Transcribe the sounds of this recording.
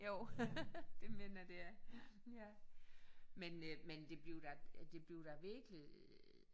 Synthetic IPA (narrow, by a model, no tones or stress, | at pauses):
jo | d̥e̝me̝ːnɐd̥e̝æjæ | menmend̥e̝b̥liʊd̥ɑ̈d̥e̝b̥liʊd̥ɑ̈ʋiɐɡ̥li